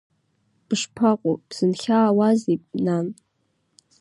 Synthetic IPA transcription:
b̥ʂpʰaqʷʼob̥z̥ɨnχʲaːwazipʼnan

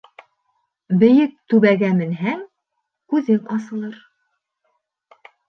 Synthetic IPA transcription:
bɘ̆jɘk̚t̪ʉβæɡæmɘ̆nɦæŋ | kʉðɘŋɑsɤ̆lˠɤɾ

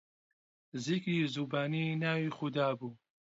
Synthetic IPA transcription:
zikɾiːzuːbaːninaːwixʊd̪aːbuː

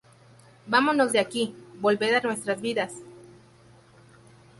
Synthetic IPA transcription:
bamo̞zno̞zðeakibo̞lbe̞ðanwe̞st̪ɾazβiðas

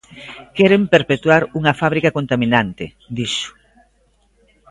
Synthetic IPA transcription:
kɛɾempeɾpet̪waɾuŋɐfaβɾikakont̪amĩnant̪ɪ̰ | d̪iʃʊ̥

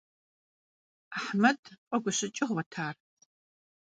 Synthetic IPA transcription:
aħmɐdqʷʼɔɡʷʊɕɪt͡ʃʼɪʁwɐtʰaːr

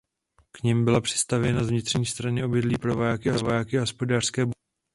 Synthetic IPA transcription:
kɲɛmbɪlapr̥ɪ̥st̪avjɛnazvɲɪt̪r̥ɲiːst̪ɾaɲɛʔo̞bɪdliːpɾo̞vajakɪɦovajakɪɦo̞spo̞daːr̥skɛːb

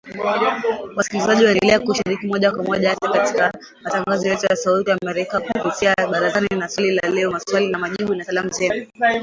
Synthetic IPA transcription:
wasi̥kilizaʄiwaɛndɛlɛakuʃiɾikimɔʄakwamɔʄaatakati̥ka | mataŋɡazɔjɛtujasautiamɛɾikakupitiaɓaɾazaniinaswalilalɛɔmaswalinamaʄiɓunasalamuzɛnu

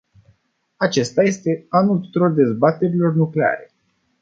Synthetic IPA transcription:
at͡ʃe̞st̪aje̞st̪e̞anult̪u̥t̪uɾo̞rd̪e̞zbat̪e̞ɾilo̞rnukle̞a̰ɾe̞̰

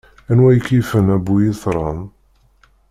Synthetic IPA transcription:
ænwæjəkːifənæbːujiθɾˤɑn

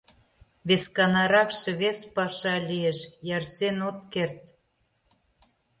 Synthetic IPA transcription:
βeskɑnɑɾɑkʃĕβespɑʃɑlʲieʃjɑrsenot̪kert̪̚

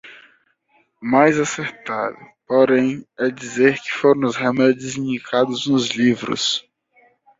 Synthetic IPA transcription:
majzaseɾt̪adʊpoɾẽj̃ɛd͡ʒizeɾkɪ̥foɾõw̃ʊshemɛd͡ʒɪzĩnd͡ʒikʰad̪ʊznʊzlivɾʊ̰s

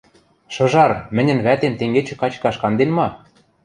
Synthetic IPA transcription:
ʃɤ̆ʒɑrmɘ̆nʲɘ̆nβæt̪ent̪eŋɡet͡ɕɘ̆kɑt͡ɕkɑʃkɑnd̪enmɑ

